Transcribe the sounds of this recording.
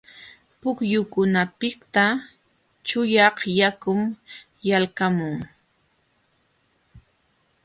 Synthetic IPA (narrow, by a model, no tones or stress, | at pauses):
pʊkjʊkʊnapɪkt̪a | t͡ʃʊjɑhjakʊm | jalkamʊŋ